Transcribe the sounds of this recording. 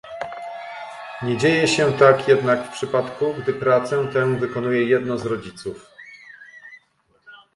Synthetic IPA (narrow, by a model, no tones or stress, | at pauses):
ɲɛd͡ʑejɛɕɛt̪akjɛd̪nakfpʂɘpat̪kuɡd̪ɘpɾat̪sɛt̪ɛ̃vɘkɔnujɛjɛd̪nɔzɾɔd͡ʑit̪suf